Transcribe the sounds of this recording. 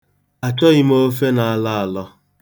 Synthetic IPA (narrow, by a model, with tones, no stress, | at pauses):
a˨t͡ʃɔ˦ɣɪ˦m˦o˦fe˦na˨a˨la˦a˨lɔ˦